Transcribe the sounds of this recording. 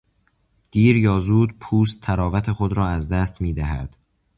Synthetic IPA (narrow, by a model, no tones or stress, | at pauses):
d̪̥iːɾjɒːzuːd̪pʰuːst̪ʰːæɾɒːvæt̪ʰe̞xod̪ɾɒːæzd̪æːst̪miːd̪æɦæ̰d̪̥